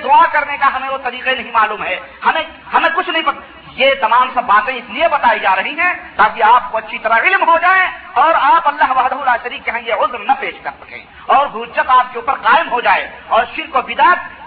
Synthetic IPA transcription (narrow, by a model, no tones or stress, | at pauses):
d̪ʊakɐɾnekaɦɐmẽot̪ɐɾiːqenɐɦĩmaːluːmɦɛː | hɐmẽ | hɐmẽkʊt͡ʃʰnɐɦĩpɐk | jet̪ɐmaːmsɐbbaːt̪ẽɪsliebɐt̪aːid͡ʒaːɾɐɦiɦɛ̃ːt̪aːkiaːp̚koɐtːʃʰit̪ɐɾaɪlmɦod͡ʒaːẽɔːɾaːpɐlːaɦʋɐːɦd̪ɐɦʊlaːʃɐɾiːkːeɦãjeʊzɾnɐpeːʃkɐɾsɐ̥kḛ̃ː | ɔːɾɡʱuːt͡ʃət̪aːp̚keuːpəɾqaːɪmɦod͡ʒaːḛ | ɔːɾʃɪɾkobɪd̪aːt̪̚